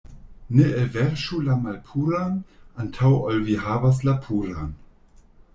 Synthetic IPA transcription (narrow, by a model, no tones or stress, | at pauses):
neʔevɛʁʃulamalpʰuɾanʔantʰawɔlvihaːvas̬lapʰuːɾan